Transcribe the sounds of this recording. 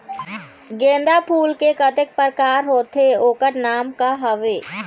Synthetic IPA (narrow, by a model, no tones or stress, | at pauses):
ɡẽːnd̪apʰuːlkekət̪ɪk̚pəɾkaːɾɦoːt̪ʰeoːkəɾnaːmkaɦəʋeː